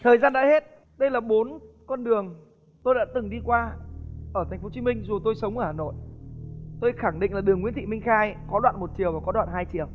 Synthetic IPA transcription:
t̪ʰəː˨˩jzaː˧nɗa̰ː˧˥he˦˥t̚ | ɗə˧jlaː˨˩ɓo˨˦n | kɔ˧nɗɨ˨˩əŋ | t̪o˧jɗa̰ː˧˥t̪ɨ˨˩ŋɗi˧kwaː˧ʔəː˧˩t̪ʰa˨˩ŋ̟fo˨˦t͡ɕi˨˦mi˧ŋ̟zu˨˩t̪o˧jsə˨˦wŋ͡mʔəː˧˩haː˨˩no̰˧˨j | t̪o˧jxa˧˩ŋɗḭ̈˧˨ŋ̟laː˨˩ɗɨ˨˩əŋːḭ˧˥nt̪ʰḭ˧˨mï˧ŋ̟xaː˧jkɔ˨˦ɗwa̰ː˧˨nmo˨˩t̚t͡ɕi˨˩əwvaː˨˩kɔ˨˦ɗwa̰ː˧˨nhaː˧jt͡ɕi˨˩əw

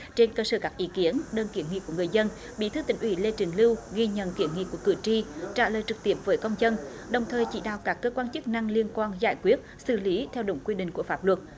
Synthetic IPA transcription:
t͡ɕe˧nkəː˧səː˧˩kaː˦˥k̚ʔi˨˦ki˨˦ənɗəː˧nki˧˩ənŋḭ˧˨ku˧˩əŋɨ˨˩əjzə˧n | ɓḭ˧˨˩t̪ʰɨ˨˧˦t̪ï˧˩ŋ̟ʔwḭ˧˩le˧t͡ɕï˨˩˦ŋ̟lɨ˧wɣi˧ɲə̰˧˨nki˧˩˦ənŋḭ˧˨ku˧˩əkɨ̰˧˨˩t͡ɕi˧t͡ɕa̰ː˧˩ləː˨˩jt͡ɕɨ˨˩k̚t̪i˦˥əp̚vəː˨˦jkə˧wŋ͡mzə˧n | ɗə˨˩wŋ͡mt̪ʰəː˨˩jt͡ɕḭ˧˩ɗa̰ː˧˨wkaː˦˥kːəː˧kwaː˧nt͡ɕɨ˦˥k̚na˧ŋli˧ənkwaː˧nza̰ː˧˩jkwi˦˥ət̚sɨ̰˧˩li˨˦t̪ʰɛ˧wɗʊ̰˧˩ŋ͡mkwi˧ɗḭ̈˧˨ŋ̟ku˧˩əfaː˦˥p̚lwə˨˩t̚

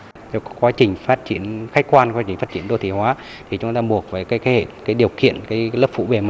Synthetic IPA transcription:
t̪ʰkkwaː˨˦t͡ɕï˨˩ŋ̟faː˦˥t̚t͡ɕi˨˧˦ənxa˦˥k̟kwaː˧nkwa˨˦t͡ɕï˩ŋ̟fa˦˥t̚t͡ɕi˧˩ənɗo˧t̪ʰi˧˩hwaː˨˦ | t̪ʰi˨˩t͡ɕʊ˨˦ŋ͡mt̪aː˧ɓu˨˩ək̚vəː˨˩kaː˨˦jke˨˦hḛ˧˨˩kaː˨˦jɗi˨˩əwkḭ˧˨ənkaː˨˦jlə˦˥p̚fṵ˧˥ve˨˩ma˨˩

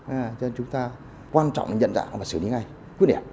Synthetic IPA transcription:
ʔaː˨˩t͡ɕə˧nt͡ɕʊ˨˦ŋ͡mt̪aː˧ | kwaː˧nt͡ɕɔ̰˧˨wŋ͡mna˨˩ɲə̰˧˨nza̰ː˧˨ŋʔvaː˨˩sɨ˨˩˨ɲḭ˧˦ŋa˧j | kwi˦˥ət̚ɗɛ̰˨˧˩p̚

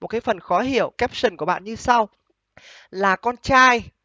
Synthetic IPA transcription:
m˨˩t̚kaː˨˦jfə˨˩nxɔ˨˦ɦi˧˨əwkɛ˦˥p̚sɨ˨˩nku˧˩əɓa̰ː˧˨ɲɨ˧sa˧w | laː˨˩kɔ˧nt͡ɕaː˧j

